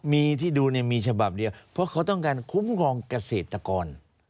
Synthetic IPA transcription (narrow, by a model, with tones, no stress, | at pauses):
miː˧t̪ʰiː˥˩duː˧ni˥˩ɐmiː˧t͡ɕʰa˧ba˨˩p̚di˧əwpʰɾɔ˦˥kʰa˦˥wt̪ɔ˥˩ŋkaː˧nkʰu˦˥mkʰɔː˧ŋka˧seː˨˩t̪ːa˧kɔː˧n